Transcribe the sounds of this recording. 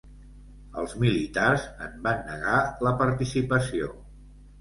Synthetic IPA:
ə̰lˠzmilit̪arzəmbanːəɣaləpəɾt̪isipəsio

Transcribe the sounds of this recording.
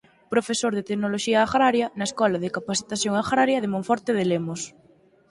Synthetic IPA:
pɾofesoɾðet̪eknoloʃiaːɣɾaɾjɐnɐeskɔlaðekapaθi̥t̪aθjoŋaɣɾaɾjɐðemõɱfɔɾt̪eðelemos

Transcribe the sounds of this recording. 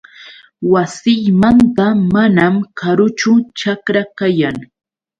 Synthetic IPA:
wasɪjmant̪amanamkʰaɾʊt͡ʃʊt͡ʃakɾakajaŋ

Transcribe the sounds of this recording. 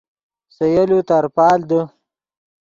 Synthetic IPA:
sɐjalut̪aɾpɑːld̪ə

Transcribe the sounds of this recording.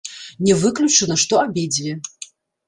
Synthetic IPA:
nʲɛvɨklʲut͡ʂɨnɐʂt̪ɔabʲed͡zʲvʲɛ

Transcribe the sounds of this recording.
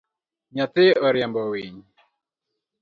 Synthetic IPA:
ɲat̪eɔɾjambɔwiɲ

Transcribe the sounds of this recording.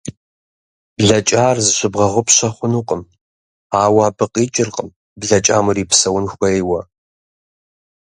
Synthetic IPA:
bɮɐt͡ʃʼaːrzɨɕɪbʁɐʁʷʊpɕɐχʷʊnuːqʼəm | aːwaːbɨqʼiːt͡ʃʼɪrqʼəm | bɮɐt͡ʃʼaːmʊriːpsɐwʊnxʷɐjwɐ

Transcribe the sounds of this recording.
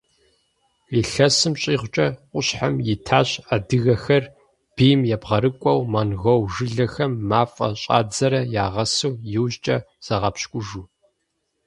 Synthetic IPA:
iːɬɐsɨmɕʼiːʁʷt͡ʃʼɐqʷʼʊɕħamjɪtʰaːɕadɨɣɐxɐr | b̥iːmjɛbʁɐɾɨkʷʼɔwmɐnɣɐwʒɨɮɐxɐmːaːfʼɐ̰ɕʼa̰ːd͡zɐɾɐjaːʁɐsɨwjɪwʑt͡ʃʼɐ̰ | z̥ɐʁɐpɕkʷʼʊʒuː

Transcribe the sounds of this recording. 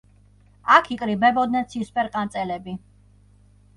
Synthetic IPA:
akʰikʼɾibɛbɔd̪nɛnt̪sʰispʰʼɛɾqʼant̪sʼɛlɛbi

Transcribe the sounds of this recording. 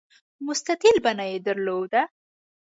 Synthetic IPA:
mʊst̪aq̪ilbanajed̪əɾlod̪a

